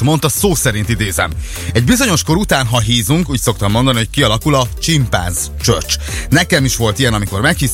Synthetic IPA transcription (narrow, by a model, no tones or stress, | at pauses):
mo̞nt̪ɒsoːsɛɾint̪id̪eːzɛ̰m | ɛɟbizo̞ɲo̞ʃko̞ɾut̪aːnɦɒɦiːzuŋkuːcsokt̪ɒmːo̞nd̪ɒniɦockiɒlɒkulɒt͡ʃimpa̰ːz | t͡ʃø̰rt͡ʃnɛkɛmiʃʋo̞lt̪ijɛnɒmiko̞rmɛkhi